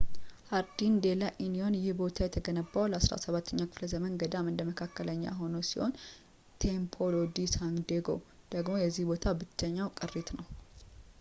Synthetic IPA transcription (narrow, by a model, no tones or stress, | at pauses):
haɾd̪ind̪e̞laʔinio̞njɪhbo̞t̪ʰajɛt̪ʰəɡənəbːawləasɾa̰səβat̪ʰːəɲːakʰɨfləzəmənɡəd̪amɨnd̪əməkʰakːələɲːa̰ɦo̞nəwsiho̞n | t̪ʰempʰolod̪isaŋd̪eɡo̞̰w | d̪̥əɡmo̞jɛzːihbo̞t̪ʰabɨt͡ʃːəɲːawkʼɨrːit̪nəw